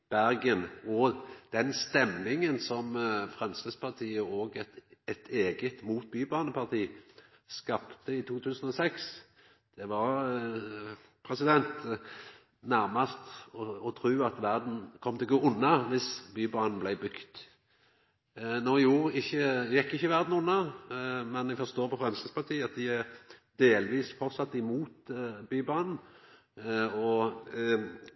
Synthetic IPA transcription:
b̥æʁɡənɔd̪̥ɛnst̪ɛmnɪŋənsɔmfʁɛmskɪspʰɑʁt̪ʰiːəoːɡ̪ɛt̪ʰeːɡət̪muːt̪̚byːbɑːnəpʰɑʁt̪ʰiː | skɑpt̪əɪt̪ʰuːt̪ʰʉːsən̩ɔsɛks | d̪̥ɛʋɑɾʁ | pʰʁɛsɪd̪ɛnt̪ | næʁmɑst̪ɔɔt̪ʰʁʉːɑt̪ʋæɾd̪n̩kʰɔmːt̪ɛɪɡuʔʊnːɑʋɪsbyːbɑnblæɪbʏkt̪ | nɔːjuːʁɪçːəjɛkːɪçːəʋæʁd̪n̩ʊnːɑmɛnæfɔst̪oːɾpʰɔfʁɛmsəspʰɑt̪ʰiːəɑt̪̚d̪ɪæʁd̪eːlʋiːsfɔʁt̪sɑt̪ːɪmuːt̪byːbɑn | ɔ

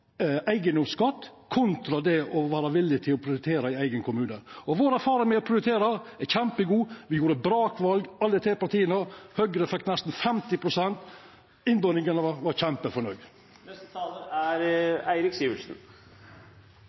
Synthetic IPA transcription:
ʔæɪɡənd̪ɔmskɑt̪ːkʰʊnt̪ɾɑd̪ɛʔɔʋæːɾɑʋɪlːɪt̪ʰɪlɔpʰɾɪʊɾɪt̪ʰeːɾɑæɪæɪɡənkʊmʉːnəɔʋoːɾæɾfɑːɾɪŋmɛɔpʰɾɪʊɾɪt̪ʰeːɾɑæçæmpəɡuːʋɪjuːɾəbɾɑːkʋɑlɡɑlːət̪ʰɾeːpɑɾt̪ʰiːənəhœɡɾəfɛkt̪nɛst̪n̩fɛmt̪ɪpʰɾʊsɛnt̪ | ɪnb̪ɔnɪŋənəɑʋɑɾçɛmpəfɔɳœɡ | æɾæɪɾɪksiːʋəlsn

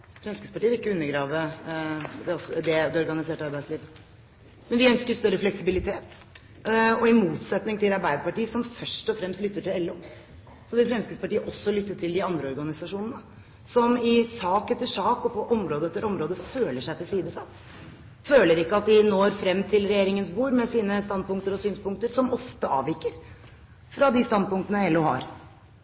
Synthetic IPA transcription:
fɾɛmskəspɑʈiːʋɪɪkːəʉnːəɾɡɾɑːʋə | d̪ɛɔfd̪ɛd̪ɛɔɾɡɑnɪseːʈɑɾbæɪsliːʋ | mɛnʋɪœnskəɾst̪œɾːəflɛksɪbɪlɪt̪ʰeːt̪ | ɔɪmuːt̪sɛt̪nɪŋt̪ʰɪlɑɾbæɪd̪əpɑʈiːəsɔmfœʂʈɔfɾɛmst̪lʏt̪ːəʈɪlɛlːoː | sɔmʋɪlfɾɛmskəspɑʈiːəʔɔsːɔlʏt̪ːəʈʰɪld̪ɪɑnd̪ɾəɔɾɡɑnɪsɑʂuːnənə | sɔmɪsɑːkɛt̪ːəʂɑːkɔpʰɔʔɔmɾoːd̪əɛt̪ːəɾɔmɾoːd̪əføːləʂæɪt̪ɪlsiːd̪əsɑt̪ː | føːləɾɪkːəɑt̪̚d̪ɪnoːɾfɾɛmːt̪ʰɪlɾɛjeːɾɪŋənsbuːɾmɛsiːnəst̪ɑnd̪̚pʊŋk̚t̪əɾɔsyːnspʊŋk̚t̪əɾsɔmɔft̪əɑ̰ːʋɪkəɾ | fɾɑd̪ɪst̪ɑnd̪̚pʊŋkt̪ənəɛlːuhɑ̰ɾ

